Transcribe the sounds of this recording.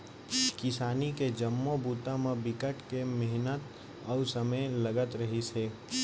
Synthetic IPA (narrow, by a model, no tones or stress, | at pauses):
kɪsaːniked͡ʒəmːobuːt̪ãmẽbɪkəʈkemɪɦnət̪ | əusəməjləɡət̪ɾəɦiseː